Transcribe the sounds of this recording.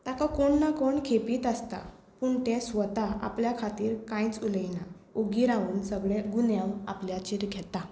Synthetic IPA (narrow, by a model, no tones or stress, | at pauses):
t̪akakoɳːakoɳkʰepiːt̪əst̪a̰ | puɳt̪ɛ̃sʋət̪aa̰pljakʰat̪iːɾkãjt͡suləjna | oɡiːɾãuːnsəɡɭɛɡunjamapljat͡ɕiɾɡʱɛt̪a